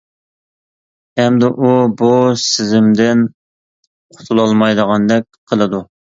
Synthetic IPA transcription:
ɛmd̪ɪʔubusɪzɪmd̪ɪn | qʰʊ̥t̪ʰulˠɑlˠmɑjd̪əʁɑnd̪ɛk̚ʲqʰəlˠɨd̪u

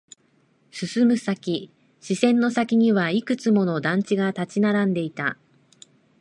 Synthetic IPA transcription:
sɨsɨmɯ̟sakʲi | ɕisẽ̞nːo̞sakʲiɲ̟iβaikɯ̟t͡sɨmo̞no̞d̪ãɲ̟t͡ɕiɡat̪at͡ɕinaɾãnd̪e̞it̪a

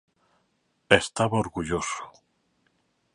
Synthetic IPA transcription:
est̪aβoɾɣuʎosu̥

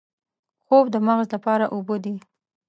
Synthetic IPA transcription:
xobd̪əmaɣzlapɑɾaʔubod̪i

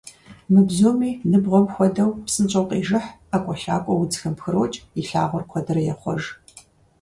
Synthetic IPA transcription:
mɨbzoːmiːnɨbʁʷɔmxʷɔdɐwpsɨnt͡ʃʼɐwqʼiːʒɨħakʷʼɔɬaːkʷʼɔwʊd͡zxɐmpxɨɾoːt͡ʃʼiɬa̰ːʁʷɔrkʷʰɔdɐrɐjɛχʷɔ̰ʒ

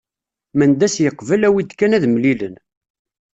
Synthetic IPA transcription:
mənd̪æsjəqːvəlæwit̪ːkːænæðmlilən

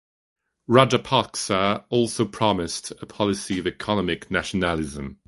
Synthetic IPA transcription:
ɹɒd͡ʒəpʰɑˑksəɔˑlˠsəʊpʰɹ̥ɒmɪstʰəpʰɒlɪsiəvɪkʰɒnəmɪknaʃənəlɪzə̃m

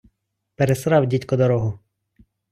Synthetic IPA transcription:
peɾesɾɑwdʲitʲkɔd̪ɔɾɔɦʊ

